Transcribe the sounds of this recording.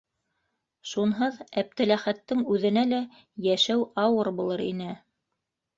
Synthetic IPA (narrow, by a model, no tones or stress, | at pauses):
ʃunɦɤðæp̚t̪ælæχæt̪ːɘŋʉðɘ̆nælæ | jæʃæwɑwɤɾbulˠɤɾḭnɘ